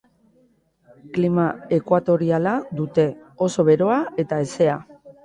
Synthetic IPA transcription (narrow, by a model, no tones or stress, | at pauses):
klimae̞kwat̪o̞ɾialad̪ut̪e̞o̞so̞βe̞ɾo̞ae̞t̪aese̞a